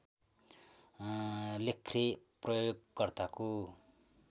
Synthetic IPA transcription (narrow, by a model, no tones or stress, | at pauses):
lekʰreprʌjoɡkʌrt̪ako